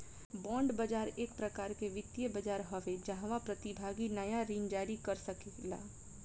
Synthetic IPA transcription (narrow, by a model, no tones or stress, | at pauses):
bɔ̃ːɳɖbɐd͡ʒaːɾeːk̚pɾɐkaːɾkeʋɪt̪jəbəd͡ʒaːɾɦɔʋed͡ʒɐɦãʋapɾɐt̪ɪbʱaːɡinɐjaɾiːnd͡ʒaːɾikɐɾsɐkela̰ː